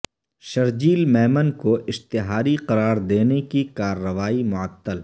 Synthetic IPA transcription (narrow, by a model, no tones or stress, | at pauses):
ʃɐɾd͡ʒiːlmɛːmənkoɪst̪ɪɦaːɾiqɐɾaːɾd̪eːnekikaːɾːəʋaːimʊət̪ːəl